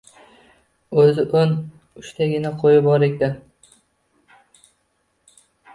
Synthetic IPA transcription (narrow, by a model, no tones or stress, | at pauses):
ɵzɪʔɵn | ʊʃt̪ʰaɡʲɪnaqʰojɪbɒɾekʲd̪a